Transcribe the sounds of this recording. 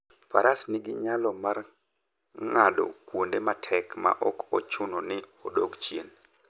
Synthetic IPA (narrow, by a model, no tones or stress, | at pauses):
pa̰ɾasnɪɡɪɲalɔmar | ŋadɔ̰kwondematʰɛkma̰ʔɔkɔt͡ʃʊnonɪodoɡt͡ʃjen